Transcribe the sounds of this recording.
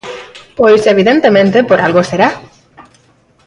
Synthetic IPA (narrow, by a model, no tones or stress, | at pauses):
pojseβ̞iðent̪emẽnt̪epoɾʔalɣoseɾa